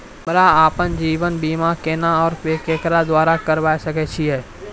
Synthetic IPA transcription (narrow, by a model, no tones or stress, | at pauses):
bɐɾaaːpənd͡ʒiːʋənbiːmakeːnaɔːɾkeːkeːkɾad̪waːɾakəɾʋaːesɐket͡ʃʰiɦɛː